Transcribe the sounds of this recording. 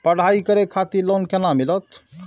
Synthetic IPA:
pəɽ̤aikəɾekʰat̪ilonkenamilət̪ʰ

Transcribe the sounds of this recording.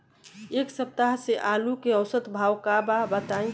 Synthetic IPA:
eːksəp̚t̪aɦseʔaːlukeəwsət̪bʱawkababət̪aĩ

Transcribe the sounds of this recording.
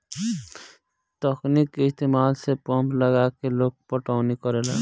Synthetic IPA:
t̪ɔknikːɪst̪eːmaːlsepɔ̃mpləɡaːkeloːɡ̚pəʈɔːnikɔɾela

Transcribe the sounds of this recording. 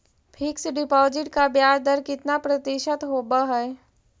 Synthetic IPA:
pʰɪksɖɪpɔːzɪʈkabjaːɾd̪əɾkɪt̪napɾɐt̪ɪʃət̪ɦoːbaɦɛː

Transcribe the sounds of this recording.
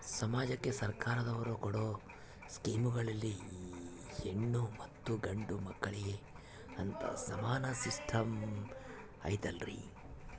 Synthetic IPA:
sɐmaːd͡ʒɐkːe̞sɐɾkaːɾɐd̪ɐʋɐɾukɔɽoː | skiːmuɡɐɭɐlːi | eɳːumɐt̪ːuɡɐɳɖumɐkːɐɭiɡe | ɐnt̪ʰɐ̰sɐmaːnɐsisʈʰɐm | ɐ̰jt̪ɐlɾḭ

